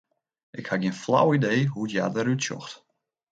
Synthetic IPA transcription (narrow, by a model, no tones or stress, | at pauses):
ʔɪkhaɡjiənfla̰wideːɦuətjadəɾytsjɔ̰xt